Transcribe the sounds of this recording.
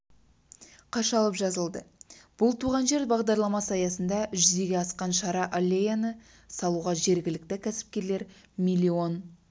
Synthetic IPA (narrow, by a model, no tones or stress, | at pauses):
qʰɑʃɑlˠəpʒɑzəlˠd̪əb̥ʊlˠt̪ʰuʁɑnʒe̞ɾbɑʁd̪ɑɾlˠɑmɑsɑjɑsənd̪ɑʔʏʒʏze̞ɡʲe̞ɑsqɑnʃɑɾɑʔalʲːejanə | sɑlˠuʁɑʒe̞ɾɡʲɪlɪk̚t̪ɪkʲʰæsɪ̥p̚kʲe̞ɾle̞ɾ | mijlʲːio̞n